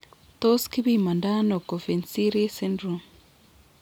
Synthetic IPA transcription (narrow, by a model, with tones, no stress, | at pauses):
t̪o˦ski˦βima˨nda˦no˨ko˨fe˨nsi˦ɾe˦se˦ndɾum